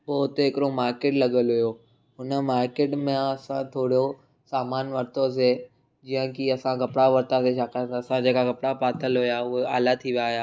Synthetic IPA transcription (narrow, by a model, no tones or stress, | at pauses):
bɔːɦʊt̪ɦɪkɪɾomaːɾkeːʈlɐɠəlɦʊjoː | ɦʊnəmaːɾkeːʈmẽɐsãt̪ʰoːɽo | saːmaːnʋɐɾt̪os̬e | d͡ʑijə̃kiɐsãɡɐpɽaʋɐɾt̪aseʃaːkãt̪ːɐsãd͡ʑeːkaɡɐpɽapaːt̪ʰəlɦʊjaʊɦea̰ːlat̪ʰiʋijajaː